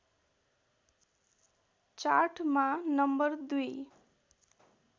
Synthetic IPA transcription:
t͡ʃaɾʈʰmanʌmbʌɾd̪uj

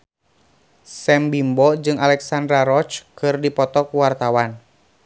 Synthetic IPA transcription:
sɛmbimbɔd͡ʒɨŋalɛksandɾaɾɔt͡ʃkɨrdipɔt̪ɔkuwart̪awan

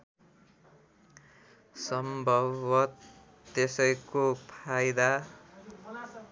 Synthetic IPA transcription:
sʌmbʱʌbʌt̪ː | esʌjkopʰajd̪a

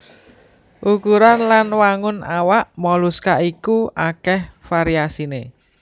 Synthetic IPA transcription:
ʔukuɾanlanwaŋʊnawaʔmɔluskaʔikuʔakɛhfaɾiasine

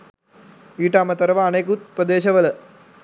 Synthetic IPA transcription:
iːʈːaːmɐt̪ɐɾɐʋɐːneːk̬ut̪̚pɐd̪eːɕɐʋɐlɐ

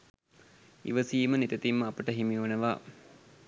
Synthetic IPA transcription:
ḭʋəsiːmənit̪ət̪imːəapəʈəɦimiunəʋaː

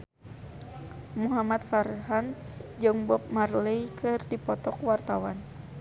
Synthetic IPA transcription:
muɦamat̪farɦand͡ʒɨŋbɔp̚marlejkʰɨrdipɔt̪ɔkwart̪awan

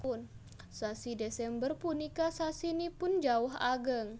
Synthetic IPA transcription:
ʊn | sasidesɛmbərpunikasasinipʊnd͡ʒaʊɦaɡəŋ

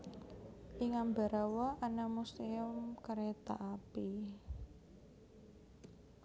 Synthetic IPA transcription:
ʔiŋamba̤ɾawɔʔanamust̪eʊmkaɾet̪aʔapi

